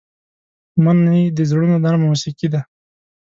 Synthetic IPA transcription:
manːid̪əzɽunod̪anmusikid̪a

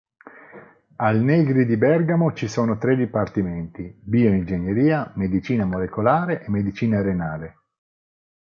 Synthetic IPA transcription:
alnɛɡɾid̪ibɛrɡamot͡ʃisoːnot̪ɾed̪ipart̪imɛnt̪ibiːoind͡ʒenjeɾiːamed̪it͡ʃiːnamolekolaːɾeʔemːed̪it͡ʃiːnaɾenaːle

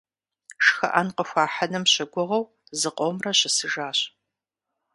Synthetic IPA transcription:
ʃxɐ̰ʔɐnqəxʷaːħɐnɐmɕɪɡʷʊʁɐw | zɨqʷʼomrɐɕɪsɨʒaːɕ

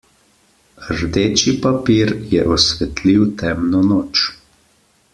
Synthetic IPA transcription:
ɾd̪eːt͡ʃipapiːɾjɛʔɔsʋɛt̪liwt̪ɛmnɔnoːt͡ʃ

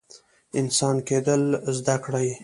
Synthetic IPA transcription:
ɪnsɑnked̪əlzd̪akɽaj

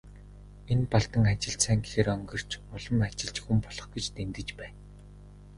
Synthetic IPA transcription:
enpɔɮt̪ə̆ŋat͡ɕɪ̆ɬt͡ɕsæːŋɡe̥xeːɾœŋɡɞ̆r̥t͡ɕʊɮɞ̆mat͡ɕɪ̆ɮt͡ɕxumpɔɮ̥ɞ̆χɡet͡ɕt̪emt̪ɘ̆t͡ɕpæːn

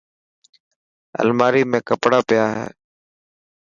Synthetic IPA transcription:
ə̰lmaːɾiːmẽːkəpɽaːpɪjaːɦḛː

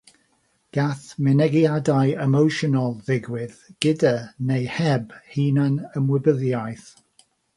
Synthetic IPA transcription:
ɡ̥aθmɛnɛɡjadajɛmowʃɔnalˠðɪɡwɪðɡ̥ɪdanejhɛbhiːnanəmwɪbəðjajθ

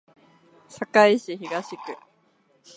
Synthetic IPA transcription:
sakaiɕiçiɡaɕikɯ̟

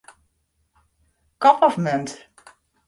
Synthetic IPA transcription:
kɔpʰɔfmɛnt

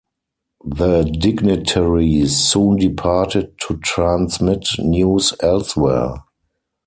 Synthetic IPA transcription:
ðədɪɡnɪtʰɛɹisũːndipʰaːtɪd̚tʰutʰɹãnsmɪtnjuːsɛlswɛ

